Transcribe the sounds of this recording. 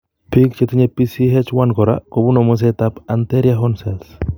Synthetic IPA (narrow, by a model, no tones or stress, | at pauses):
pikt͡ʃet̪iɲepisiɦɛt͡ʃwankɔɾa̰kobunomos̬et̪apant̪eɾjaɦɔnsɛls